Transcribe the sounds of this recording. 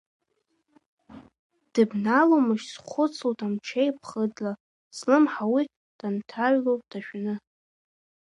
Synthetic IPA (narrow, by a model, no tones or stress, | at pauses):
d̥ɨbnalomɨʃsχʷʊt͡sʰotʰʼamt͡ʃʰejpʰχədla | slɨmħawi | d̥antʰaɥlowpʼd̥aʃᶣnɨ